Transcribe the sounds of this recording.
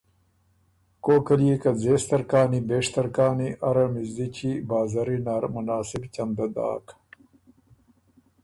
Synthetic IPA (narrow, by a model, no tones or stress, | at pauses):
koːkɐlijekɐd͡zeːst̪ɐɾkaːnibeːʂt̪ɐɾkaːniʔɐɾɐmizit͡ɕibaːzɐɾinaːɾmɐnaːsibt͡ɕɐnd̪ɐd̪a̰ːk